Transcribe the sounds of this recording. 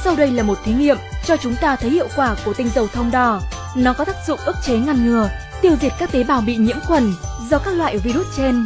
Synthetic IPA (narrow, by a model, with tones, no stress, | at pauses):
sa˧wɗə˧jlaː˨˩mo˨˩t̚t̪ʰi˨˦jŋḭ˧˨əmt͡ɕɔ˧t͡ɕʊ˨˦ŋ͡mt̪aː˧t̪ʰə˨˦jhḭ˧˨əwkwaː˧˩ku˧˩ət̪ï˧ŋ̟zə˨˩wt̪ʰə˧wŋ͡mɗɔ˧˩ | nɔ˨˦kɔ˨˦t̪aː˦˥k̚zʊ̰˧˨ŋ͡mʔɨ˦˥k̚t͡ɕe˨˦ŋa˧˩nŋɨ˨˩ə | t̪i˧əwzi˨˩ət̚kaː˦˥k̚t̪e˨˦ɓaː˨˩wɓḭ˧˨ɲḭ˧˥əmkwə˨˩nzɔ˧kaː˦˥k̚lwa̰ː˧˨jvi˧ɾu˦˥t̚t͡ɕe˧n